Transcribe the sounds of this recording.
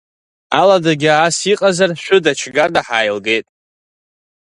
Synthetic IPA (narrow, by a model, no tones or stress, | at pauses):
aladaɡʲaːsiqʼazarʃʷᶣʊdat͡ʃʰɡardaħaːjlɡe̞jtʼ